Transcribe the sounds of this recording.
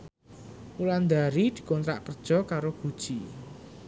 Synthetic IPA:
muland̪aɾid̪̥i̤kɔnt̪ɾa̰ʔpərd̥ʒ̥ɔ̤kaɾoɡ̥ud̥ʒ̥i

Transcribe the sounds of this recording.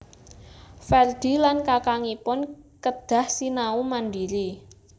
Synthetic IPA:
fɛrd̪̥i̤lankakaŋipʊnkəd̪̥a̤hsinaumanɖiɾi

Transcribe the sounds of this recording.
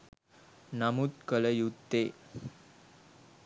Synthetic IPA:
namut̪kələjut̪ːe

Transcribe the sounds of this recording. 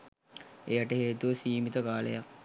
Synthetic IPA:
ejaʈəɦeːt̪uʋəsiːmit̪əkaːlə̰jak̚

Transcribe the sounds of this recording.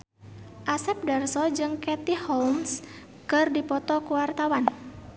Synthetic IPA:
ʔasɛp̚dɛrsɔd͡ʒɨŋkɛt̪ihɔlms | kɨrdipɔt̪ɔkuwart̪awan

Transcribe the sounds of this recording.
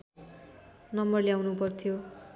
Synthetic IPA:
nʌmbʌrljawnupʌrt̪ʰijo

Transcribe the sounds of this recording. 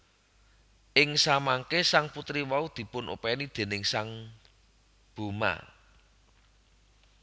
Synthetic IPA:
ʔɪŋsamaŋkesaŋput̪ɾiwaud̪̥i̤pʊnʔṵpɛnid̪̥e̤nɪŋsaŋ | b̥ṳma̰

